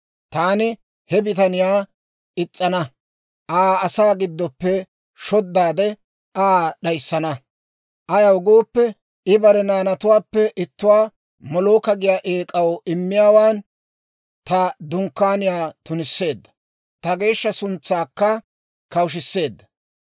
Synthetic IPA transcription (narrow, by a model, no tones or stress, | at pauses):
t̪aːnɪ | hɛbɪt̪̬ɐnɪjaː | ʔɪt͡sʼːɐnɐ | ʔaːɐsaːɡɪd̪ːɔpːɛ | ʃɔd̪ːaːd̪ɛ | aːɗɐjsːɐnɐ | ʔɐjɐwɡoːpːɛ | ɪbɐɾɛnaːnɐt̪ʊwaːpːɛʔɪt̪ːʊwaː | mɔloːkɐɡɪjaːʔeːkʼɐwɪmːɪjaːwaːn | t̪ɐd̪ʊŋkːaːnɪjaːt̪ʊnɪsːe̞ːd̪ːɐ̥ | t̪ɐɡe̞ːʃːɐsʊnt͡sːaːkːɐ | kɐwʃ̬ɪsːe̞ːd̪ːɐ